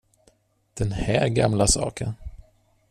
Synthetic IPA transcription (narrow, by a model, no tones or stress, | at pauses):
d̪̥ɛnhæːɾɡa̰mlasɑ̰ːkən